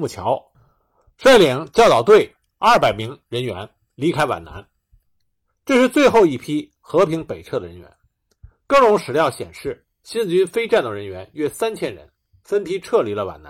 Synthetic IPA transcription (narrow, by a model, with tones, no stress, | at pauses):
mu˥˩t͡ɕʰjɑ˧˥ʊ | ʂwa˥˩ɪli˧˥˩ŋt͡ɕjʊt̪ɑ˨˩ʊt̪we˥˩ɪ | ɐ˞˥˩pa˨˩ɪmi˧˥ŋɻə˧˥nɥɛ̰˧˥n | li˧˥kʰa˥ɪwa̰˨˩na̰˧˥n | ʈ͡ʂɤ˥˧ʂɻ̩˥˧t͡swe˥˧ɪxo˥˧ʊi˥˩pʰi˥ | xɤ˧˥pʰi˧˥ŋpe˨˩ɪt͡sʰɤ˥˩d̪ə˩ɻə̰˧˥nɥɛ̰˧˥n | kɤ˥˩ʈ͡ʂʊ˧˥ŋʂɻ̩˨˩ljɑ˥˩ʊɕjɛ̰˨˩nʂɻ̩˥˩ | ɕi˥n̩˨t͡ɕy˥nfe˥ɪʈ͡ʂa˥˩nd̪ə˩ɻə˧˥nɥɛ˧˥nɥɛ˥sa˥nt͡ɕʰjɛ˥nɻə̰˧˥n | fə˥npʰi˥ʈ͡ʂʰɤ˥˩li˨˧˥lə˧wa̰˨˩na̰˧